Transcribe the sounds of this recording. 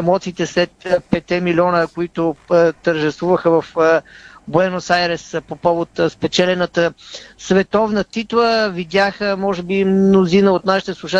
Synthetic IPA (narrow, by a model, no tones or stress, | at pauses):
ɛmɔt̪siːt̪ɛslɛt̪pɛt̪ɛmilʲiɔnəkoit̪ʊt̪əɾʒɛst̪vuvəxəvɐf | boɛnosajɾɛspopɔvot̪spɛt͡ʃɛlɛnət̪əsvɛt̪ɔvnət̪it̪lˠəvid̪ʲjaxəmɔʒɛbimnozinəot̪naʃi̥t̪ɛslˠʊʃa